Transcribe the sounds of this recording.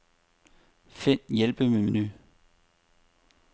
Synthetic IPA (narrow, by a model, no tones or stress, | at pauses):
fen̰jelb̥əmemeny